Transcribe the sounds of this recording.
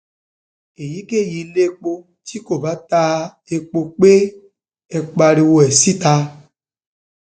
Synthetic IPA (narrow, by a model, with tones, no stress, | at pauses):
e˨ji˦ke˦˨ji˧le˦k͡po˧ | t͡ʃi˦ko˨ba˨˦ta˧ | e˨k͡po˧k͡pe˦ | ɛ˨k͡pa˧ɾi˧wo˨ɛ˨si˦ta˧